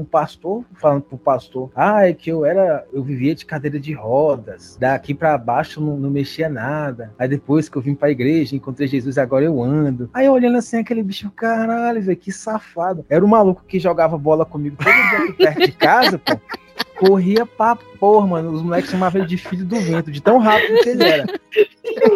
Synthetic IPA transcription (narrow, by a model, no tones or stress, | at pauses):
ũpast̪oɾfalɐ̃nd̪ʊpɾʊpast̪oɾajkɪewɛɾɐewviviɐd͡ʒɪ̥kad̪ejɾɐd͡ʒɪhɔd̪ɐsd̪akipɾɐbaʃʊewnɐ̃w̃nɐ̃w̃meʃiɐnad̪ɐaid̪epojskɪewvĩɲʊpɾɐiɡɾeʒɐẽŋkõnt̪ɾejʒezuziaɡɔɾɐewɐ̃d̪ʊajewolɐ̃nd̪asĩakelɪbiʃʊkaɾaʎʊvejʊkɪsafad̪ʊɛɾũmalukʊ̥kɪʒoɡavɐbɔlɐkõmiɡʊt̪õd̪ud͡ʒikiɛt̪d͡ʒɪkazɐpo | koɦiɐpapoɐmɐ̃nʊːzmulɛkɪsʃɐ̃mavɐ̃ld͡ʒɪfiʎʊd̪ʊvẽnt̪ʊd͡ʒɪt̪ɐ̃w̃ɦapid̪ʊkɪeliɛɾɐ